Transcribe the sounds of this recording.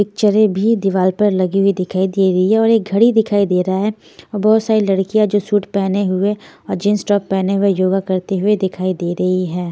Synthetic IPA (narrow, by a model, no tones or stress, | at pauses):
pɪk̚t͡ʃəɾẽbʱid̪ɪʋaːlpɐɾlɐɡiɦʊid̪ɪkʰaːid̪eːɾɐɦiɦɛɔːɾeːk̚ɡʱɐɽid̪ɪkʰaːid̪eːɾɐaɦɛ | ɔːɾbɐɦʊt̪saːɾilɐɽkijad͡ʒoːsuːʈpɛːneɦʊe | ɔːɾd͡ʒɪnsʈɔːpːɛːneɦʊejoːɡakɐɾt̪eɦʊed̪ɪkʰaːid̪eːɾɐɦiɦɛː